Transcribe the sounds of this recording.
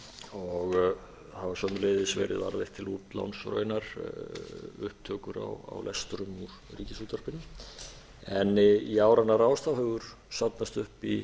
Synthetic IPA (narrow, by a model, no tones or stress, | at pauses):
ɔɣ | havasœmnleːðɪsvɛ̰ːɾɪ̰ðva̰ɾðɪht̪ʰːɪluːt̪la̰wnsɾœ̰ːɥnaɾ̥ | ʏ̰hp̚t̪ʰœːkʏɾa̰wa̰wlɛ̰st̪ɾʏmuɾ | ɾiːcɪsut̪ʰaɾ̥pɪn | ɛniaːwɾanːaɾaːwst̪awhœːɣʏɾ̥ | sap̪nast̪ʏhpi